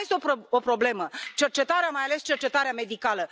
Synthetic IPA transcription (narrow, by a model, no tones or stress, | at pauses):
jest̪eopo̞pɾo̞ble̞mət͡ʃert͡ʃe̞t̪aɾeamajale̞st͡ʃe̞rt͡ʃe̞t̪aɾeame̞d̪ikalə